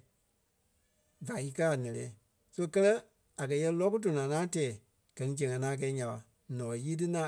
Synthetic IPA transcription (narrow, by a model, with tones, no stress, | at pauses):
va˨i˧˦kɜ˦a˨nɛ̃˨lɛ̰̃ː˨˦ | so˦˧kɜ˦lɜ˦ | a˨kɜ˨jɛ˧˦lɔ˦k̬u˦do˨nãː˨ŋãː˨˦tɛː˨ | ɡ̥ɜ˨nĩ˦d͡ʒɛ̃˨ŋã˨nãː˨˦k̬ɛː˧˨˦ɲã˨ɓa˨ | nɔ̃ː˨ɔ˨˦jiː˦t̬ɨ˦nã˦